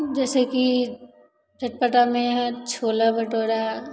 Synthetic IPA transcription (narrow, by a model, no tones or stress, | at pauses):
d͡ʒɛːseki | d͡ʒɐʈ̚pəʈ̪amẽɦɛt͡ʃʰoːlabɐʈoːɾa